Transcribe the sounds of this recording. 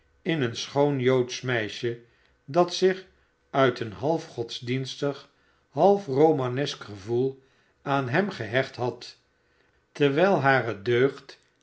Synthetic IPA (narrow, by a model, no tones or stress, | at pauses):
ɪnənsχownjowtsmɛjʃə | dɑtsɪχ | œɥtənɦɑlˠfχɔtzdinstəχ | ɦɑlˠfrowmanɛskχəvulˠ | aːnɦɛmχəɦɛχtɦɑt | təɹʋɛjlˠɦaːrədøɥχt